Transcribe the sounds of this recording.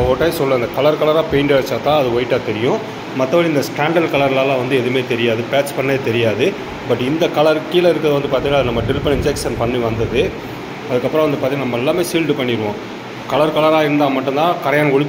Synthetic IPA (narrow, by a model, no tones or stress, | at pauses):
oːʈːɐːsɔlːɐɐnd̪ɐkɐɭɐɾkɐɭɐɾaːpeɪɳɖeʋɐt͡ʃːaːt̪ãːɐðɯʋɔɪʈːaːt̪ɛɾɪjʊ̃ | mɐt̪ːɐʋɐːɭiɪnd̪ɐsʈaːɳɖɐɾkɐɭɐɾlaːlãːʋɐnd̪ɯɛðɯmeːt̪ɛɾɪjaːðɯpaːspɐɳːɐeːt̪ɛɾɪjaːðɯ | bɐʈːɪnd̪ɐkɐɭɐɾkiːɪlɐɪɾɯkːɐðɯʋɐnd̪ɯpaɾt̪ĩːŋɐɐðɯnɐmːɐɖɪlɪpːɐnɪɲd͡ʒɛksɐnpɐɳːiʋɐnd̪ɐðɯ | ɐðɯkːɐpːɯɾɐ̃ʋɐnd̪ɯpaːɾt̪iːŋːɐnɐmːɐɛlːaːmeːsiːlɖɯpɐɳːɪɾɯʋõː | kɐlɐɾkɐɭɐɾaːɪɾɯnd̪aːmɐʈːɯ̃nt̪ãːkɐɾɐjaːnɐɔɻɪpː